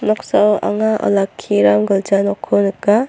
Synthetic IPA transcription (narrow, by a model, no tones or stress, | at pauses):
nɔksawa̰ŋaʔɔ̰lakʰːiɾamɡɯld͡ʒanɔkʰːɔnɯka